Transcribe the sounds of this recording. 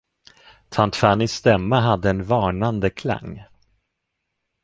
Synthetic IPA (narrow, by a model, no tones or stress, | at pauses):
t̪ʰant̪fanɪsːt̪ɛmːaɦad̪ːəɛnvɑːɳand̪əkʰla̰ŋː